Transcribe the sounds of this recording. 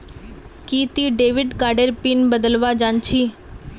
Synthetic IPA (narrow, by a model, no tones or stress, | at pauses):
kiːt̪iɖeːʋɪɖkaːɾɖəɾpɪnbəd̪əlʋad͡ʒãːnt͡ʃʰiː